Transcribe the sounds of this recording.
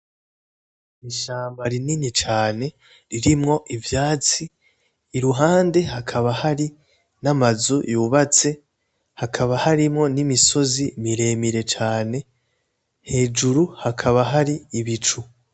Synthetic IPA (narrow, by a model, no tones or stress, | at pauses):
iʃaːmbaɾininit͡ʃaːne̞ | ɾiɾimŋo̞ʔivjaːt͡siː | ɾuɦaːnde̞hakʰaβahaɾi | namazujuːβat͡se̞ | hakʰaβahaɾimŋo̞nimiso̞zimiɾe̞ːmiɾe̞t͡ʃaːne̞ | he̞ːd͡ʒuɾuhakʰaβaɦaɾiːβit͡ʃu